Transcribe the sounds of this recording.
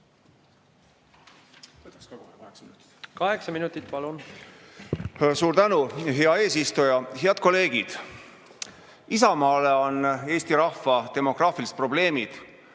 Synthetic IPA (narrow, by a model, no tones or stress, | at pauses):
t̪skɑeksinut̪ | kɑɦeksɑminut̪ːˑit̪ːˑpɑlun | suːɾt̪ænuɦe̞ɑe̞ːsist̪ujɑɦe̞ɑd̪̥ko̞le̞ːɡ̥id̪̥ | isɑmɑːle̞o̞nːe̞ːst̪iɾɑhfɑt̪e̞mo̞ɡ̥rɑːfilist̪pro̞b̥le̞ːmid̪̥